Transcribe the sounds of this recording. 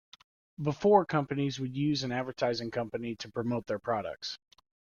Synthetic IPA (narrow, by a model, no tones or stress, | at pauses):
bəfɔɹkʰʌ̃mpɨnizwɨdjʉzɨ̃nædvə˞tʰaɪzɪ̃ŋkʰʌ̃mpɨniɾɨpʰɹ̥ɨmoʊt̪̚ðə˞pʰɹ̥ɑɾə̰k̚ts